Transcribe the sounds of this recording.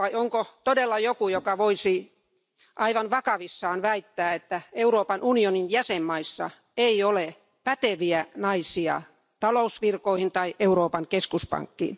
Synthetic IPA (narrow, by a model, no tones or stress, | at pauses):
ʋɑioŋkot̪odelːɑjokujokɑʋoisi | ʔɑiʋɑnʋɑkɑʋisːɑːnʋæit̪ːæːet̪ːæeuɾoːpɑnunioninjæsemːɑisːɑ̰ | eiole | pæt̪eʋiænɑisiɑ̰ | t̪ɑlousʋirkoihint̪ɑiʔeuɾoːpɑŋkeskuspɑ̰ŋkːḭːn